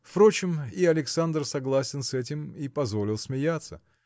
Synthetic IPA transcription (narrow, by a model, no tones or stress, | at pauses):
fpɾo̞t͡ɕɪmiɐlʲɪksand̪rsɐɡlˠasʲɪnsɛtʲɪmipɐzvo̞lʲɪlˠsmʲɪjat̪sə